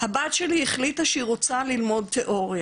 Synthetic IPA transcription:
habatʃeliheχlitaʃeiʁo̞t͡salilmo̞d̚t̪e̞ʔo̞ʁja

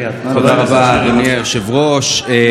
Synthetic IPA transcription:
t̪od̪aʁabad̪onieʃevʁoʃe

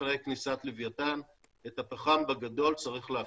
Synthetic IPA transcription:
ʁeknisat̪livjatan | et̪apaχambaɡad̪o̞lt͡saʁiχlea

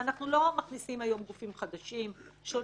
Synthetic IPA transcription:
anaχnulo̞maχnisimajo̞mɡufimχad̪aʃimʃo

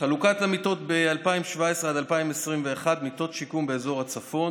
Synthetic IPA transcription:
χalukat̪lemit̪o̞t̪bealpaimʃvaesʁead̪alpaimesʁimve̞ːχad̪mit̪o̞t̪ʃikumbeːzo̞ʁat͡safo̞n

